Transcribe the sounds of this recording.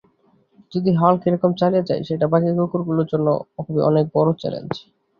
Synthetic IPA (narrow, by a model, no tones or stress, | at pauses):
d͡ʑod̪iɦalkiɾɔkomt͡ɕalied͡ʑa̰jʃeʈabaɡiɡokoɾɡuloɾd͡ʑonːo̰kʰubiʔɔ̰nek̚bɔɾot͡ɕɛ̰lḛnd͡ʑ